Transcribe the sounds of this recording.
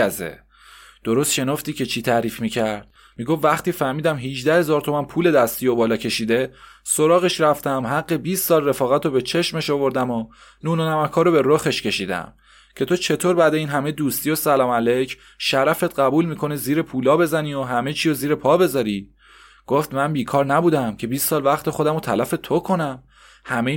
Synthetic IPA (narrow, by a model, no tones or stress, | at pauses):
zḛ | d̪̥o̞ɾo̞st̪ʃe̞nɒft̪iːcʰe̞t͡ʃʰiːt̪ʰæɾiːfmiːcʰæɾd̪̥̚ | miːɡofːæχt̪iːfæɾmiːd̪æmɦiʒd̪æhe̞zɒːɾt̪ʰo̞mænpʰuːle̞d̪æst̪ijobɒːlɒːcʰe̞ʃiːd̪e̞ | so̞ɾɒːɣe̞ʃɾæft̪æmɦæɡːe̞biːst̪sɒːlre̞fɒːɣæt̪ʰobe̞t͡ʃʰe̞ʃme̞ʃovo̞ɾd̪æmo | nuːnonæmækʰɒːɾobe̞ɾoxe̞ʃcʰe̞ʃiːd̪æ̰m | cʰe̞t̪ʰo̞t͡ʃʰe̞t̪ʰoːɾbæd̪eiːnɦæmed̪uːst̪ijosælɒːmælecʰ | ʃæɾæfe̞t̪ɢæbuːlmiːkʰo̞neziːɾepʰuːlɒːbe̞zænioɦæme̞t͡ʃʰiːjoziːɾepʰɒːbe̞zɒɾi | ɡ̥oft̪mænbiːkʰɒːɾnæbuːd̪æmcʰe̞biːst̪sɒːlvæχt̪ʰe̞xo̞d̪æmot̪ʰælæfe̞t̪ʰokʰo̞næm | hæme